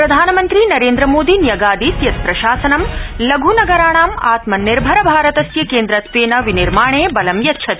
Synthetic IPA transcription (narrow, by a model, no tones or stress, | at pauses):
pɾɐd̪ʱaːnɐmɐnt̪ɾinɐɾeːnd̪ɾɐmoːd̪injɐɡaːd̪it̪jɐspɾɐʃaːsɐnɐmlɐɡʱunɐɡɐɾaːɳaːmaːt̪mɐnːiɾbʱɐɾɐbʱaːɾɐt̪ɐsjɐkeːnd̪ɾɐt̪ʰʋeːnɐʋiniɾmaːɳeːbɐlɐmjɐt̪ːʃʰɐt̪